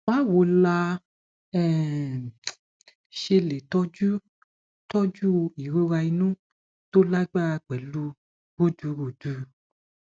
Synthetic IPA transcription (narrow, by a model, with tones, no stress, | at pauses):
wa˦wo˨˦la˧ | ɛ˦˨ | ʃe˧le˨tɔ˦d͡ʒu˦ | tɔ˦d͡ʒu˦i˨ɾo˦ɾa˧i˧nũ˦ | to˦la˦ɡ͡ba˦˧k͡pɛ˨˦lu˦ | ɡo˦˨du˨˦ɡo˨d̥u˨˦